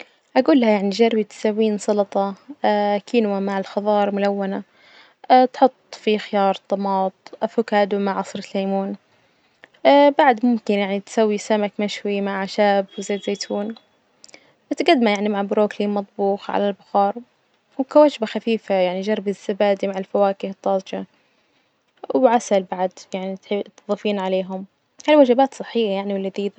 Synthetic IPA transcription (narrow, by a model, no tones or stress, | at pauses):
ʔaɡuːlːahajaʕniʒaɾbit̪sawːiːnsˤɑlɑt̪ˤɑ | kʰiːnwamaʕɪlxɑðˤɑːɾˤmʊlawːana | t̪ħʊt̪ˤːfixɪjɑːɾˤt̪ˤːɑmɑːt̪ˤʔafʊkaːd̪umaʕʕɑsˤɾɪhaːmuːn | baʕd̪mʊmkɪnjaʕnit̪sawːisamakmaʃwimaʕaʃaːbwzeːt̪zeːt̪ʰuːn | bat̪ɡad̪ːmajaʕnimaʕbʊɾoːkliːmːɑt̪ˤbuːxʕa̰lalbʊxɑːɾˤ | wkawad͡ʒbaxafiːfajaʕnid͡ʒɑɾˤbɪz̥ːabaːd̪imaʕɪlfawaːkɪhɨt̪ˤːɑːsˤd͡ʒa | wʕasalbaʕd̪jaʕnit̪t̪ɨðˤɑfiːnʕaleːɦʊm | halwad͡ʒabaːt̪sˤɨħːɪjːajaʕniwɪlːɪðiːd̪a